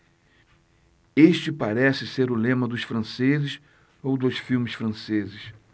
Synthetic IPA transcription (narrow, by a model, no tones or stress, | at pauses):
eʃt͡ʃɪpaɾɛsɪseɾʊlẽmɐd̪ʊsfɾɐ̃sezɪs | owd̪ʊsfiwmɪsfɾɐ̃sezɪs